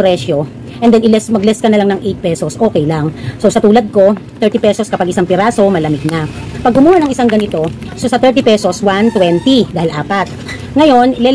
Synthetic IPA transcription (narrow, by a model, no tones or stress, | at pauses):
ɾɛʃo̞ | ʔɛnd̪ɛnɪlɛsmɐɡlɛskɐnɐlaŋnɐŋʔejt̪̚pɛsosʔo̞ːkɛjlaŋso̞sɐt̪uːlɐd̪̚ko̞t̪ɛɹt̪ipɛsoskɐpaɡʔɪsaŋpɪɾaːso̞mɐlɐmɪɡ̪̚napɐɡ̚ʊmuːhɐnɐŋɪsaŋɡɐnɪt̪o̞sosɐt̪ɛɹt̪ipɛso̞swant̪wɛnt̪id̪aːhɪlʔaːpat̪̚ | ŋɐjo̞nlɛ